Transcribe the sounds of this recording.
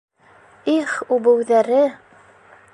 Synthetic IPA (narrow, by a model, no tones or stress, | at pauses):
iχʉbɘ̆wðæɾɘ